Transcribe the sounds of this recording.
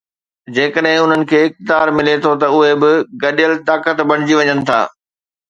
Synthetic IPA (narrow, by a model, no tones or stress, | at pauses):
d͡ʑeːkəɗɦɪ̃ʊn̤ənɪ̆kʰeːɪxt̪ɪd̪aːɾmɪlet̪ʰot̪ɐʊɦebɪɡɐɗijəlt̪aːkət̪bɐɽ̃d͡ʑiʋɐɲənɪ̆t̪ʰa̰ː